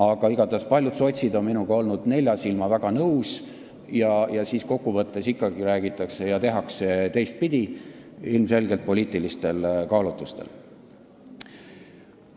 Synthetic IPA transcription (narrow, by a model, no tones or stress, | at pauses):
ɑɡ̥ɑiɡ̥ɑt̪ɑspɑlʲjud̪̥so̞t̪ʲsid̪o̞nminuɡ̥ɑo̞lnud̪̥ne̞lʲjɑsilmɑvæɡ̥ɑnɤws | jɑjɑsiːsko̞kːuvɤt̪ˑːe̞sikˑːɑɡ̥iɾæːɡ̥it̪ːˑɑkse̞jɑt̪e̞ɦɑkset̪e̞jst̪̚pid̪̥ʲiilmse̞lɡelt̪̚po̞lʲiːt̪ˑilist̪e̞lkɑːlut̪ːˑust̪e̞̰l